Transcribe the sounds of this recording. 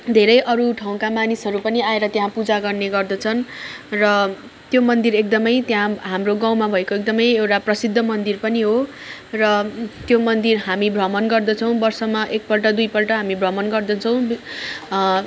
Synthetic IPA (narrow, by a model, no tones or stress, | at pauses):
d̪ʱeɾʌjʔʌɾuʈʰaw̃kamanisɦʌɾupʌniaeɾʌt̪jɦãpud͡zaɡʌrneɡʌrd̪ʌt͡sʰʌnrʌ | t̪jomʌnd̪iɾek̚d̪ʌmʌjt̪jãɦamroɡaw̃mabʱʌekoek̚d̪ʌmʌjewʈaprʌsid̪ʱːʌmʌnd̪irpʌniɦo | rʌt̪jomʌnd̪irɦamibʱrʌmʌnɡʌrd̪ʌt͡sʰʌw̃bʌrsʌmaʔek̚pʌlʈʌd̪ujpʌlʈʌɦamibʱrʌmʌnɡʌrd̪ʌt͡sʰʌw̃